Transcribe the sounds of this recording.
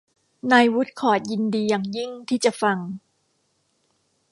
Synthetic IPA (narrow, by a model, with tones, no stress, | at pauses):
naː˧jwu˦˥t̪̚kʰɔː˨˩t̪̚ji˧ndiː˧jaː˨˩ŋji˥˩ŋt̪ʰiː˥˩t͡ɕa˨˩fa˧ŋ